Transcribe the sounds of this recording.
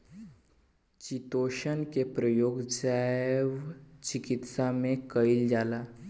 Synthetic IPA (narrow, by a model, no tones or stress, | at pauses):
t͡ɕit̪oɕənkepɾəjoɡd͡zajjʋt͡ɕikit̪samekəild͡zala